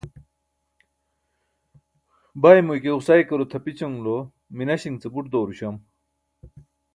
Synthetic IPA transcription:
bajmujkeusajkɐɾot̪ʰɐpit͡ɕɐŋlo | minɐɕiŋt͡sebuʈd̪oːɾuɕɐm

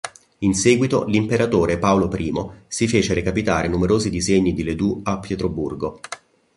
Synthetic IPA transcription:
inseːɡwit̪olimpeɾat̪oːɾepaolopɾiːmosifeːt͡ʃeɾekapit̪aːɾenumeɾoːzid̪izeɲːid̪iled̪uapːjɛt̪ɾobṵrɡo

